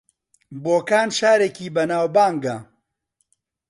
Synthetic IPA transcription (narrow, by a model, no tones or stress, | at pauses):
boːkaːnʃaːɾeːkiːbɐnaːwbaːŋɡɐ